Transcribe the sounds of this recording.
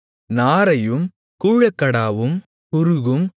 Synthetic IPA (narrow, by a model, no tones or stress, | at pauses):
naːɾɐjɯm | kuːɻɐkːɐɽaːʋɯm | kʊɾɯɣɯm